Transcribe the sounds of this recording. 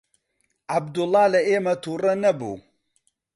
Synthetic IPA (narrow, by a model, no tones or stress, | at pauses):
ʕab̚d̪ʊlˠˤːɑːlɐʔeːmɐt̪uːrɐnɐbṵː